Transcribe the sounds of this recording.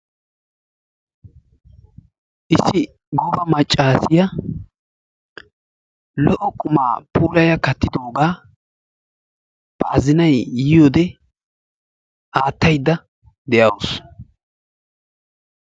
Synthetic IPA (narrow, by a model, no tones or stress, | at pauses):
ʔɪsːɪ | ɡɔbɐmɐt͡ʃʼːaːsɪjɐ | lɔʔɔkʼʊma̰ːpuːlɐjɐkɐt̪ːɪd̪o̞ːɡaː | b̥ɐʔɐzɪnɐjjɪjoːd̪ɛ | ʔaːt̪ːɐjd̪ːɐ | d̪ɛjɐws